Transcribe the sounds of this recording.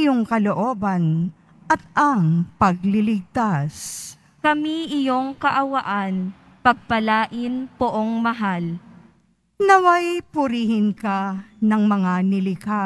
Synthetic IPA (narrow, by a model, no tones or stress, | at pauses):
joŋkɐloʔoːbɐn | ʔɐt̪̚ɐŋpɐɡlɪlɪɡ̚t̪as | kɐmiʔɪjoŋkɐʔɐwɐʔan | pɐɡ̚pɐlaːʔɪnpʊʔoŋmɐɦal | nɐwajpʊɾiːhɪnkanɐŋmɐŋanɪlɪka